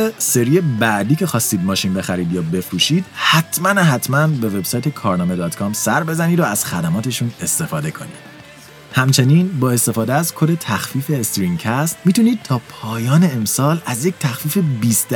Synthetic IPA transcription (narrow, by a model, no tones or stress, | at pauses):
se̞ɾiebæʔd̪iːcʰe̞xɒːst̪iːd̪̚mɒːʃinbe̞xæɾiːd̪jɒːbe̞fɾuːʃiːd̪̥hæt̪ʰmænɦæt̪ʰmænbe̞ve̞bsɒːjt̪ʰe̞kʰɒːɾnɒːme̞d̪ɒːt̪ʰkʰɒmsæɾbe̞zæniːd̪oæz̥xæd̪æmɒːt̪ʰe̞ʃune̞st̪e̞fɒːd̪e̞kʰo̞nḭːd̪̥ | hæmt͡ʃʰe̞niːnbɒːe̞st̪e̞fɒːd̪eæzkʰod̪e̞t̪ʰæxfiːfe̞ːst̪ɾiŋcʰæst̪miːt̪uniːd̪̥̚t̪ʰɒːpʰɒːjɒːne̞emsɒːlæzject̪ʰæxfiːfe̞biːst̪